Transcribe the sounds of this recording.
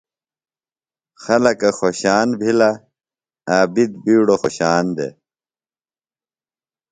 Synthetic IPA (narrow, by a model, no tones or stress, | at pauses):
xɐlɐkɐxoɕaːnbʱila | aːbid̪̚biːɽoxoɕaːnd̪ḛ